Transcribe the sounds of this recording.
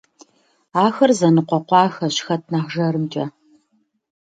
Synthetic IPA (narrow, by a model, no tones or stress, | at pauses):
aːxɐrzɐnɨqʷɔqʷɑːxɐɕxɐt̚ʰnaːχʒɐrɨmt͡ʃʼɐ